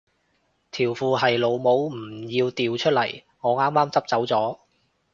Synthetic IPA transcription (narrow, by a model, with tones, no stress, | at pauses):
t̪ʰiː˨˩wfuː˨ɦɐ˨jlo˨˧wmo˨˥wm̩˨˩jiː˧wt̪iː˨wt͡ʃʰɵ˥t̚lɐ˨˩j | ŋɔː˨˧ŋaː˥mːaː˥mt͡sɐ˥p̚t͡sɐ˨˥wt͡sɔː˨˥